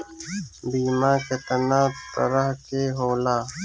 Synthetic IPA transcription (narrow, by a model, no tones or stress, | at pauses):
biːmaːket̪ɐnaːt̪ə̰ɾəɦkeːɦoːlaː